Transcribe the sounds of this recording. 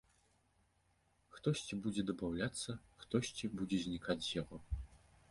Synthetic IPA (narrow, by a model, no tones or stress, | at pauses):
xt̪ɔɕʲt͡sʲibud͡zʲɛd̪ɐbawlʲat̪sːɐxt̪ɔsʲt͡sʲibud͡zʲɛzʲnʲikʰat͡sʲjaɣɔ